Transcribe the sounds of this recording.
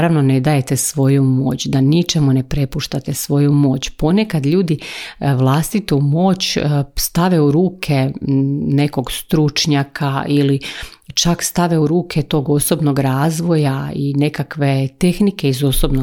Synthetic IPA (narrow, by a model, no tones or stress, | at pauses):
ɾaʋno̞ne̞d̪aje̞t̪e̞sʋo̞jumo̞̰ːt͡ɕd̪anit͡ʃe̞mune̞pɾe̞puʃt̪at̪e̞sʋo̞jumo̞ːt͡ɕpo̞ne̞kad̪ʎuːd̪iʋlˠast̪it̪umo̞ːt͡ɕst̪aʋe̞uɾuːkʰe | ne̞ko̞ɡst̪ɾut͡ʃɲakʰailit͡ʃakst̪aʋe̞uɾuːkʰe̞t̪o̞ːɡo̞so̞bno̞ɡɾaːzʋo̞jaine̞kakʋe̞t̪e̞xnike̞izo̞so̞bno